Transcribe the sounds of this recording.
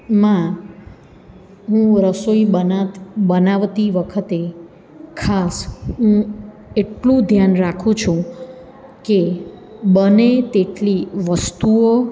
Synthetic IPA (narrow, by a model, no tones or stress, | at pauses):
mã | ɦũɾəsoiəabənaʋt̪iʋəkʰət̪e | kʰasɦũ | eʈlũd̪ʱjanɾakʰũt͡ʃʰũ | ke | bənet̪eʈliʋəst̪uo